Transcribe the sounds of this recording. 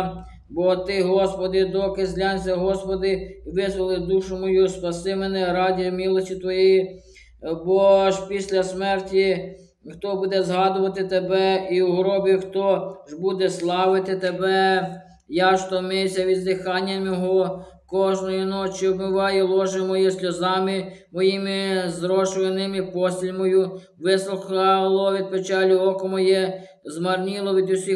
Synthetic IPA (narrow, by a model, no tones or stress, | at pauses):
bɔt̪ɪɦɔspɔd̪ɪd̪ɔkɪzʲlʲɑnʲsʲɐɦɔspɔd̪ɪiʋɪzʋɐlˠɪd̪uʃʊmɔjuspɐsɪmenɛɾɑdʲimʲilˠɔsʲtʲit̪ʋɔjɛji | bɔʒpʲisʲlʲɐsmɛrtʲi | xt̪ɔbud̪ɛzɦɑd̪ʊʋɐt̪ɪt̪ebɛiwuɦɾɔbʲixt̪ɔʒbud̪ɛslˠɑʋɪt̪ɪt̪ebɛ | jɑʃt̪ɔmɪsʲɐʋʲid̪zd̪ɪxɑnʲːɐmjɔɦɔ | kɔʒnɔjinɔt͡ʃiɔbmɪʋɑjɛlˠɔʒɪmɔjɛsʲlʲɔzɑmɪmɔjimɪzɾɔʃlenɪmipɔsʲilʲmɔju | ʋɪslˠʊxɑlˠɔʋʲid̪̚pet͡ʃɑlʲʊɔkɔmɔjɛ | zmɐrnʲilˠɔʋʲid̪usʲi